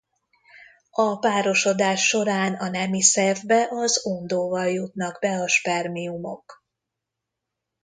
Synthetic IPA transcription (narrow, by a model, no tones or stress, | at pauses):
ɒpaːɾo̞ʃo̞d̪aːʃːo̞ɾaːnɒnɛmisɛrvbɛʔɒzond̪oːvɒljut̪nɒɡbɛɒʃpɛrmiumo̞̰k